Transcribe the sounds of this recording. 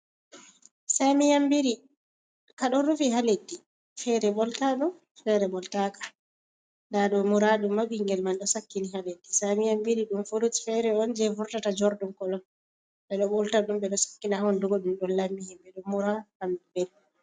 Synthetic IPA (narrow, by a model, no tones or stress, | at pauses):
samijambiɾi | kaɗɔɾufiɦaledːi | fɛɾɛbɔltaɗum | fɛɾɛɓɔltakḁ | ndaɗɔmuɾaɗumːabiŋɡɛlmanɗɔsakːinihaledːisamijambiɾiɗumfoɾuti̥fɛɾɛɔnd͡ʒɛvuɾtatad͡ʒoɾdumkɔlɔn | ɓɛɗɔɓɔltaɗumbɛɗɔsḁkːinaɔnduɡɔɗumɗɔnlamːihimbɛɗɔmuɾahambɛl